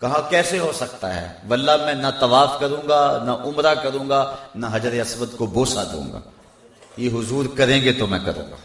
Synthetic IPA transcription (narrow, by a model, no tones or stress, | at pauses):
kɐɦãkɛːseɦoːsɐk̚t̪aɦɛ̰ːʋɐlːamɛ̃nat̪ɐʋaːfkɐɾũːŋɡanaʔʊmɾakɐɾũːŋɡanaɦɐd͡ʒɾeɐsʋət̪koboːsad̪õ̰ːŋɡa̰ː | jeɦʊzuːɾkɐɾẽːŋɡet̪omɛ̃kɐ̰ɾṵ̃ːŋɡa̰ː